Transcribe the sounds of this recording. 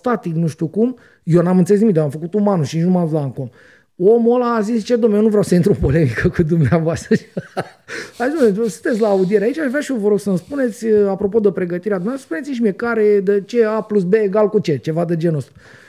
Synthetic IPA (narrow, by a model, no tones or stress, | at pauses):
st̪at̪iknuʃt̪ʲukum | jewnamɨnt̪səlesiik̚d̪amfəkut̪umanuʃinit͡ʃnumaus̬laŋkom | o̞molaːzist͡ʃed̪omejonuvɾeawsəint̪ɾupo̞le̞mikəkud̪umneavoast̪ɾəʃ | azit̪sonesɨ̥nt̪esʲlaːud̪ije̞ɾeait͡ʃaʃvɾeaʃijovəɾo̞ɡsənspune̞t̪sʲəapɾo̞po̞d̪əpɾe̞ɡət̪iɾead̪umnavat̪əspunesiniʃ̬imiekaɾed̪ət͡ʃe̞aplusbeːɡalkut͡ʃe̞t͡ʃevad̪əd͡ʒe̞no̞st̪ɾu